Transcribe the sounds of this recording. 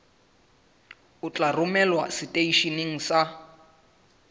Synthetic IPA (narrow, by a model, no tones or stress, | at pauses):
ʊt͡ɬʼarʊmɛlwa̰sitʼeiʃiniŋ̩sa